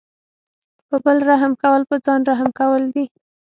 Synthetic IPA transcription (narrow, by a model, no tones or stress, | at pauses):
pəbəlɾaɦmkawəlpəd͡zɑnɾaɦmkawəld̪i